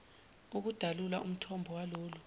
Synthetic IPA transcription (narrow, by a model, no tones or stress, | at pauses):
uk̬ud̥ʱalulaʔum̩tʰɔmbʱɔwaloːlu